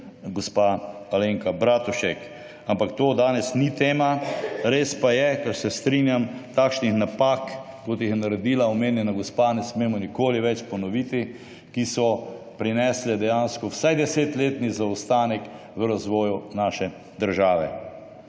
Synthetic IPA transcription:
ɡospaaleŋkabɾat̪uʃɛk | ampakt̪oːd̪aːnɛsnit̪eːmaɾeːspajɛkɛɾsɛst̪ɾinjamt̪aːkʃnixnapaːkː | ɔt̪jixjɛnaɾɛd̪iːlaɔmeːnjɛnaɡospanɛsmeːmɔnikoːliʋɛt͡ʃpɔnɔʋit̪i | kisɔ | pɾinɛːslɛd̪ɛjanskɔwsajd̪ɛseːt̪leːt̪nizaust̪aːnɛk | ʋəɾazʋɔːjunaːʃɛ | d̪əɾʒaːʋɛ̰

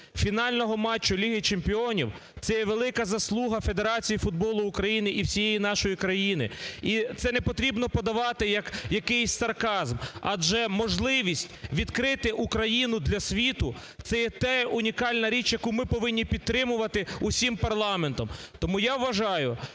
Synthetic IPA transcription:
fʲinɑlʲnɔɦɔmɑt͡ʃːʊlʲiɦɪt͡ʃempʲiɔnʲḭwt̪sɛjɛʋelˠɪkɐzɐslˠuɦɐfe̞d̪eɾɑt͡sʲijifʊd̪̚bɔlˠʊːkɾɐjinɪʔiwsʲijejinɑʃɔjikɾɐjinɪ̰it̪sɛnɛpɔt̪ɾʲibnɔpɔd̪ɐʋɑt̪ɪjɐkjɐkɪjsʲsɐrkɑzmɐd͡ʒɛmɔʒlˠɪʋʲisʲtʲʋʲid̪kɾɪt̪ɪʔukɾɐjinʊd̪lʲɐsʲʋʲit̪ʊ | t̪sɛjɛt̪ɛʊnʲikɑlʲnɐɾʲit͡ʃjɐkumɪpɔʋɪnʲːipʲid̪̚t̪ːɾɪmʊʋɐt̪ɪusʲimpɐrlˠɑment̪ɔmt̪ɔmujaʋʋɐʒɑjʊ

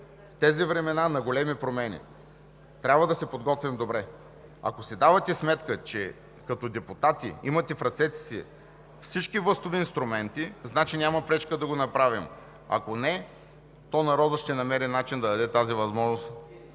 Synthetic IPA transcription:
ft̪ɛzivɾɛmɛnanɐɡolɛmipɾomɛnḭ | t̪ɾʲabvɐd̪ɐsɛpod̪ɡɔt̪vimd̪obɾɛ | ɐ̰kosɛd̪avɐt̪ɛsmɛt̪kət͡ʃɛ | kɐt̪ɔd̪ɛpʊt̪at̪ḭimɐt̪ɛfɾɐt̪sɛt̪ɛ̥sḭ | fsit͡ʃkivlɤst̪oviːnst̪ɾʊmɛnt̪iznat͡ʃinʲamɐpɾɛt͡ʃkəd̪ɐɡonɐpɾavim | ɐ̰konɛ | t̪ɔnɐɾɔd̪əʃt̪ɛnɐmɛɾinat͡ʃind̪ɐd̪ɐd̪ɛt̪azivɐzmɔʒnost̪

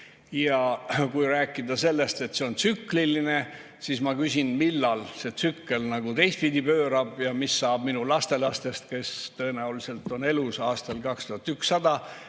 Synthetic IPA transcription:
jɑkujɾæːkːˑid̪ɑse̞lːe̞st̪e̞t̪se̞o̞nt̪sykliline̞ | sismɑkysʲinmilːɑlse̞t̪sykːelnɑɡut̪e̞js̚pid̪ʲipøːɾɑb̥jɑmisːɑːb̥minulɑst̪e̞lɑst̪e̞st̪̚ke̞st̪ɤe̞næulise̞lt̪ˑo̞ne̞lusɑːst̪ɑlkɑkst̪uhɑt̪ːyksːɑd̪̥ɑ

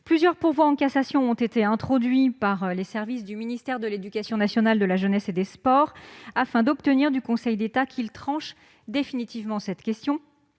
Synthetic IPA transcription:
plyzjœʁpuʁvwaɑ̃kasasjɔ̃ɔ̃t̪et̪eɛ̃t̪χɔd̪ɥipaʁlesɛʁvis̬d̪yminist̪ɛʁd̪əled̪ykʲasjɔ̃nasjɔnald̪əlaʒənɛsed̪espɔʁafɛ̃d̪ɔpt̪əniʁd̪ykɔ̃sɛjd̪et̪akʰʲilt̪χɑ̃ʃ | d̪efinit̪ivmɑ̃sɛt̪kʲɛst̪jɔ̃

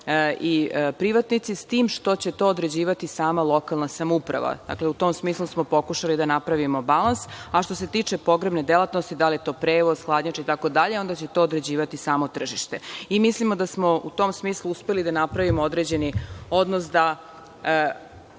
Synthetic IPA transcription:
ipɾiʋat̪nit̪sist̪iːmʃt̪o̞t͡ɕe̞t̪o̞ːod̪ɾe̞d͡ʑiːʋat̪isaːmalˠo̞kalˠnasamupɾa̰ʋa̰d̪̥a̰kleut̪o̞msmiːslˠusmo̞po̞kuʃalid̪anapɾaʋimo̞balansaʃt̪o̞se̞t̪iːt͡ʂe̞po̞ɡɾebne̞d̪elat̪nost̪id̪alijet̪o̞ːpɾeːʋozxlˠaːd̪ɲat͡ʃeit̪ako̞d̪aʎeo̞nd̪at͡ɕet̪o̞ːd̪ɾed͡ʑiːʋat̪isaːmo̞t̪r̩ʒiʃt̪e̞imislimo̞d̪asmo̞ut̪o̞msmiːslˠuuspe̞lid̪anapɾaʋimood̪ɾeːd͡ʑe̞nio̞d̪nosd̪a

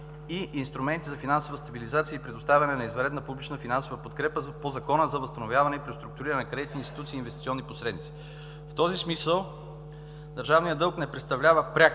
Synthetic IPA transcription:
iʔːnst̪ɾumɛnt̪izɐfinansovəst̪ɐbilizat̪siəipɾɛd̪ʊst̪avʲɐnɛnɐizvɐɾɛd̪nəpublit͡ʃnəfinansovəpot̪kɾɛpəzpozɐkɔnəzɐvəst̪ɐnovʲjavɐnɛipɾiost̪ɾuk̚t̪ʊɾiɾənɛkɾɛd̪it̪niːnst̪i̥t̪ut̪siːnvɛst̪i̥t̪siɔnːiposɾɛd̪nit̪si̥ | ft̪ɔzismisəlˠ | d̪əɾʒavnijəd̪ɤlˠknɛpɾɛt̪st̪ɐvlʲavəpɾʲak

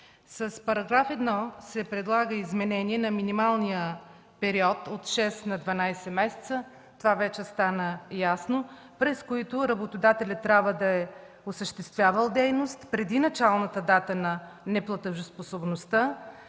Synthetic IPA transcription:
səspɐɾɐɡɾafɛd̪nɔsɛpɾɛd̪lˠaɡəizmɛnɛniɛnɐminimalˠnijə | pɛɾiɔt̪ot̪ʃɛsnɐd̪vɐnajsɛmɛsɛ̥t̪sə | t̪ovavɛt͡ʃɛst̪anəjasno | pɾɛskoit̪ʊɾɐbot̪od̪at̪ɛlʲət̪ːɾʲabvəd̪ɐɛ | osəʃt̪ɛst̪vʲjavəlˠd̪ɛjnost̪pɾɛd̪inɐt͡ʃalˠnət̪əd̪at̪ənɐnɛplˠɐt̪əʒʊsposobnost̪ə

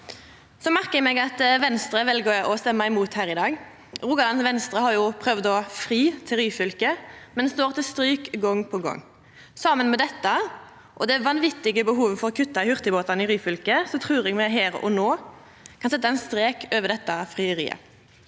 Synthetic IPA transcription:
sɔmæʁkəɛmɛɡɑt̪ʋɛnst̪ɾəʋɛlɡəɔst̪ɛmːɑɪmuːt̪hæːʁɪd̪ɑːɡ | ʁʊːɡɑnɑnsʋɛnst̪ʁəhɑɾjʊpʰʁœʋd̪ɔfɾiːt̪ʰɪlɾyːfʏlkəmɛnd̪st̪oːʁt̪ʰɪst̪ɾyːkɡɔŋːpʰɔɡɔ̰ŋː | sɑːmənmɛd̪ɛt̪ːɑ | ʔɔd̪ɛʋɑnʋɪt̪ːɪɡəbəɦuːʋəfɔʁɔkʰʉt̪ːɑhʏʁt̪əboːt̪ɑnɪʁyːfʏlkəsɔt̪ʰʁʉːʁɛɡmɛɦæːʁɔ̰noː | kʰɑnsɛt̪ːɑɛɪnst̪ɾeːkʰøːʋəʁd̪ɛt̪ːɑfʁiəɾḭːə̰

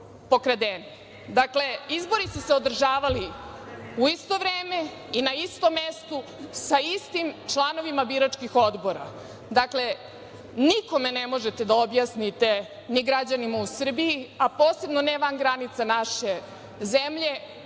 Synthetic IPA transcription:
po̞kɾad̪eni | d̪akle̞izbo̞ɾisuseod̪r̩ʒaːʋali | uist̪o̞ʋɾeːme | inaist̪omːest̪usaist̪imt͡ʃlˠano̞ʋimabiɾat͡ʃkixo̞d̪bo̞ɾa̰ | d̪akle̞ | niko̞menemo̞ʒet̪e̞d̪aobjaːsnit̪e̞ | niɡɾad͡ʑanimausr̩bijiapo̞ːse̞bnoneʋanɡɾanit̪sanaʃe̞ | zemʎe̞

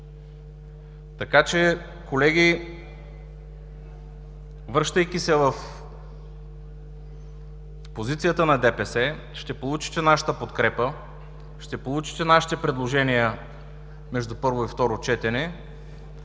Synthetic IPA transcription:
t̪ɐkat͡ʃɛ | kolɛɡʲi | vɾɤʃt̪əjk̟isɛvəf | pozit̪sijət̪ənɐd̪ɛpɛsɛ | ʃt̪ɛpolˠut͡ʃi̥t̪ɛnaʃə̥t̪əpot̪kɾɛpə | ʃt̪ɛpolˠut͡ʃi̥t̪ɛnaʃi̥t̪ɛpɾɛd̪lˠoʒɛnijə | mɛʒd̪upɤɾvoift̪ɔɾot͡ʃɛt̪ɛnɛ

